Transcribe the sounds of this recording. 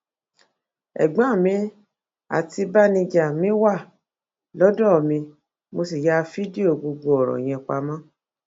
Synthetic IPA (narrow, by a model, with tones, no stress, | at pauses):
ɛ̰˨ɡ͡bã˨˦˨mĩ˧ | a̰˨ti˧ba˦nĩ˧d͡ʒa˨mĩ˦wa˦˨ | lɔ˨˦dɔ˦˨mĩ˧ | mo˧si˨ja˦˧fi˦di˦o˦˨ɡ͡bo˧ɡ͡bo˧ɔ˨ɾɔ̰̃˨j̃ɛ̃˧k͡pa˧mã˦